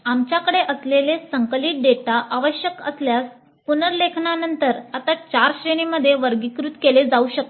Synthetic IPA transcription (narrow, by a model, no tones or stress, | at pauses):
amt͡ɕjakəɽeʔəslelesəŋkliːʈ̚ɖeʈaʔaʋəɕjəkə̰sljas | punəɾlekʰɳanənt̪əɾat̪at͡ɕaɾɕɾeniməd̪ʱːjeʋəɾɡikɾut̪keled͡zauɕək̚to